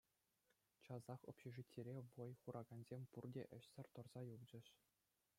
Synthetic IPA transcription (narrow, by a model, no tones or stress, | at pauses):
t͡ɕɑzɑχo̰pɕeʐɯtʲːeɾʲeʋojχuɾʔɑɡɑnzʲemʲpurdʲḛʔɘ̆ɕsʲɘ̆rʲt̪ŏrz̥ɑjuvd͡ʑɘ̆ɕ